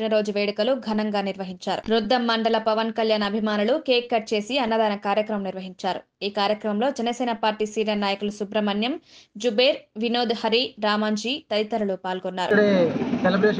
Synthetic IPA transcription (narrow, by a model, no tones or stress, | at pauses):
inɐɾo̞ːd͡ʒuʋeːɽikɐluɡʱɐnɐŋɡaːniɾʋɐɦiɲt͡ʃaːɾṵɾud̪ːɐmːɐɳɖɐlɐpɐʋɐnkɐljaːnɐbʱimaːnulukeːkːɐʈ̚t͡ʃe̞ːsiɐnːɐd̪aːnɐkaːɾjɐkɾɐmɐmniɾʋɐɦiɲt͡ʃaːɾu | iːkaːɾjɐkɾɐmɐmlo̞ːd͡ʒɛnɐsɛːnɐpaːɾʈiːsiːɾɐnaːjɐkulusubɾɐmɐnjɐmd͡ʒubeːɾʋino̞ːd̪uhɐɾiɾaːmaːɲd͡ʒiːt̪ɐɾit̪ɐɾɐlupaːlɡɔnːaːɾṵɽeselɐbɾe